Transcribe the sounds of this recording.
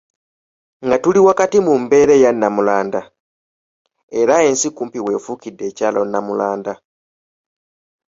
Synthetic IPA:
ŋɡatuliwakatimumbe̞ɾe̞janːamulaːnda | e̞ɾae̞nsikuːmpiwe̞ːfukidːe̞ːcaːlo̞nːamulaːnda

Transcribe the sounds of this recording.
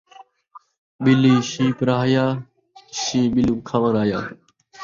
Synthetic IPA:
ɓɪliːʃiːpɾaːɦjaː | ʃĩːɓɪluːkʰaʋənaːjaː

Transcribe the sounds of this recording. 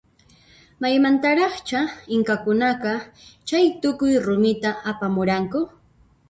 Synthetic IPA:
majmant̪aɾɑχt͡ʃaɪŋkakʊnɑɢɑt͡ʃajt̪ʊkʊjɾʊmɪt̪aapamʊɾaŋkʊ

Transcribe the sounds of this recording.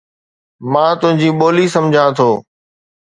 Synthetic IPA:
mãːt̪ʊɦɪ̃ɲd͡ʑiːɓoːliːsəmd͡ʑʱãːt̪ʰoː

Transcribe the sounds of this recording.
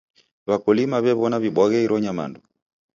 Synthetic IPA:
βakɔlimaβɛβɔnaβiɓwaɣɛiɾɔɲama̰ndu

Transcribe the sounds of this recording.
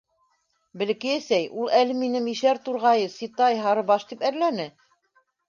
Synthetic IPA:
bɘ̆lɘ̆kɘjæsæjulˠælɘminɘmiʃæɾt̪uɾʁɑjɤsit̪ɑjɦɑɾɤbɑʃt̪ipæɾlænɘ

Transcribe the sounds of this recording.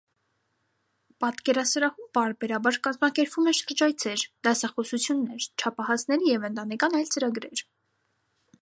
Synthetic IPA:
pɑt̪kɛɾɑsɾɑhumpɑɾbɛɾɑbɑɾkɑzmɑkɛɾpvumɛʃəɾd͡ʒɑjt͡sʰɛɾd̪̥ɑsɑχɔsut͡sʰjunːɛɾt͡ʃʰɑpʰɑhɑsnɛɾijɛvənt̪ɑnɛkɑnɑjlt͡səɾɑɡɾɛ̰ɾ

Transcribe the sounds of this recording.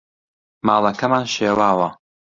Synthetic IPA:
maːlˠɐkɐmaːnʃeːwaːwɐ

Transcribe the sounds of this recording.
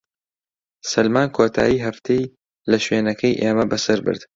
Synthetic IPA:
sɐlmaːnkʰoːt̪ʰa̰ːjiːɦɐft̪ʰej | lɐʃweːnɐkʰɐjʔeːmɐbɐsɐɾbɨ̰ɾd̪̥

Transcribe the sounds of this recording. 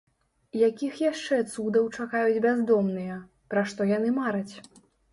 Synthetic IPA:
jakʲixjaʂt͡ʂɛt̪sud̪ɐwt͡ʂakajud͡zʲbʲazd̪ɔmnɨjɐ | pɾaʂt̪ɔjanɨmaɾɐt͡sʲ

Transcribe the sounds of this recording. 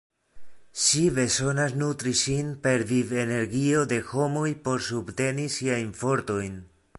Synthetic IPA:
ʃive̞so̞nasnutɾiʃinpe̞ɾvive̞ne̞ɾɡio̞de̞ho̞mojpo̞ɾsubte̞nisiajnfo̞ɾto̞jn

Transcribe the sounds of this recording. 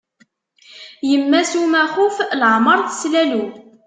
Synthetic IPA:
jəmːæsumæχuflʕməɾˤθə̥slælu

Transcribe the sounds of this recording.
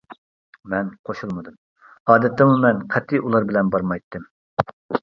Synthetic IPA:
mɛnqʰoʃulˠmɨd̪ɨm | ɑːd̪ɛt̪ːɛmumɛnqʰɛt̪ʰːiʔulˠɑɾbɪlɛnbɑɾmɑjt̪ʰːɨm

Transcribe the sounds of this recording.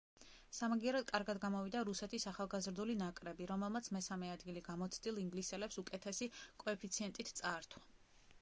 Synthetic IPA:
samaɡiɛɾɔd̪̚kʼaɾɡad̪ɡamɔvid̪aɾusɛt̪ʰisaχalˠɡazɾd̪ulinakʼɾɛbiɾɔmɛlˠmat̪sʰmɛsamɛad̪ɡiliɡamɔt̪sʰd̪ilˠiŋɡlisɛlɛpsukʼɛt̪ʰɛsikʼɔɛpʰit̪sʰiɛnt̪ʼit̪ʰt̪sʼaɾt̪ʰwa

